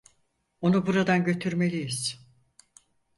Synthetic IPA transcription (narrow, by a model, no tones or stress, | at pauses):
o̞nubuɾad̪anɟø̞t̪ʰyɾme̞lʲijiz̥